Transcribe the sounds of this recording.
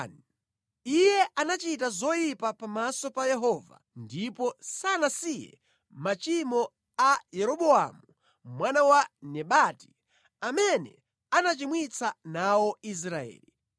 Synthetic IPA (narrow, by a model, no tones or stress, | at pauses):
n | ijɛʔanat͡ʃitazɔjipapamasɔpajɛɦɔva̰ndipɔsanasijɛ̰ | mat͡ʃimɔ | ajɛɾɔɓɔamu | mwanawanɛɓati̥ | amɛnɛ̰ | anat͡ʃimwit͡sanawɔis̬ɾaɛ̰ːli